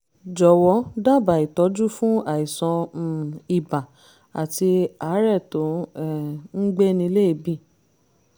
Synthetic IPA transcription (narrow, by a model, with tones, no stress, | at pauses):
d͡ʒɔ˨wɔ˨˦da˦˨ba˨i˨tɔ˨˦d͡ʒu˦fũ˦a˨i˨sɔ̃˧˨ | i˨ba˨ | a̰˨ti˧a˨˦ɾɛ˦˨to˨˦ɛ˦˨n̩˦ɡ͡be˦nĩ˧le˦i˧˨bĩ˦˨